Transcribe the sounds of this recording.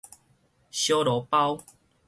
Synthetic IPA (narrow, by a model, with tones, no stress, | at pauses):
ɕjo˦lɔ˨˦pa˦w